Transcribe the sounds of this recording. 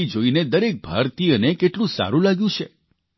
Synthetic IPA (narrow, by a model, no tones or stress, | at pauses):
id͡ʒoined̪əɾek̚bʱa̰ɾt̪iənekeʈlũsa̰ɾũlaɡjũt͡ʃʰḛ